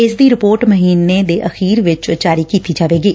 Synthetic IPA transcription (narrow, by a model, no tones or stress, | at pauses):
ɪsd̪iːɾɪpoːɾʈməɦiːnːed̪eːʔəxiːɾʋɪt͡ʃd͡ʒaːɾiːkiːt̪iːd͡ʒaːʋeːɡiː